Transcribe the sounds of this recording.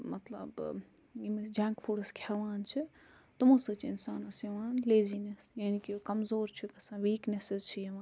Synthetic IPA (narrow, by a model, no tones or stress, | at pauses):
mɐt̪lə̰b | jimd͡ʒãːŋkpʰuːɽəskʰjaʋaːnt͡ʃʰi | t̪ɐmosɨt͡ʃʰiɪnsaːnɐsiʋaːnleːzinesjaːnikikɐmzoːɾt͡ʃʰikɐsanʋiːknesizt͡ʃʰijɐʋãːn